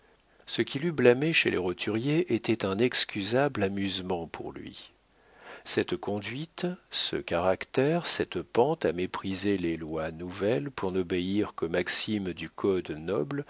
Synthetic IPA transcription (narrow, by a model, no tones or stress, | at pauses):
səkʲʰilyblameʃelʔḛʁot̪ʰyʁjeʔet̪ɛt̪ɛ̃nɛkskʲyzablamyzmɑ̃pʰṵʁlɥḭ | sɛt̪kɔ̃d̪ɥit̪sə̰kaʁakt̪ɛʁsɛt̪pɑ̃t̪amepχizelelwanuvɛlpuʁnɔbeiʁkəmaksimd̪ykʰɔd̪nɔbl